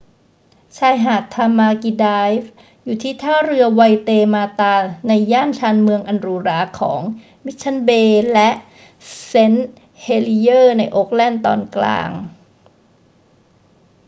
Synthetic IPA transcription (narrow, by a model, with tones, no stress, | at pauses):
t͡ɕʰaː˧˩jɦaː˨˩t̚t̪ʰːa˧maː˧ki˧daː˧jf | juː˨˩t̪ʰiː˥˩t̪ʰaː˥˩ɾɯ˧ɐwa˧jt̪eː˧maː˧t̪aː˧na˧jːaː˥˩nt͡ɕʰaː˧nmɯ˧əŋʔa˧nɾuː˧ɾaː˧˩kʰɔ̰ː˩˦ŋ | mi˦˥t̪̚t͡ɕʰa˧˥nbeː˧lɛ˦˥ʔ | se˦˥n | heː˧li˧jɤː˥˩na˧jʔo˦˥k̚lɛ˥˩nt̪ɔ̰ː˧nkla̰ː˧ŋ